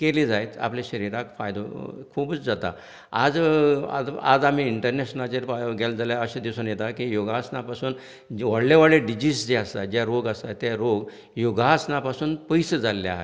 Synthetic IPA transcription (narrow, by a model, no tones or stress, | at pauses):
kelid͡zajt̪a̰plaɕəɾiɾakfajd̪o̰kʰuːbət͡sd͡zat̪a̰ | a̰d͡za̰a̰d͡zam̤iːɳʈəɾneɕnat͡ɕeɾɡeld͡zaljaəɕad̪iwsonjet̪akijoɡasnapasuːn | ʋəɽlaʋaɽeɖid͡ʑiːsd͡ʑeast̪ad͡ʑjaɾoɡəst̪at̪ːjaɾoɡ | joɡasnapasuːnpəjsəd͡zalːja̰ɦe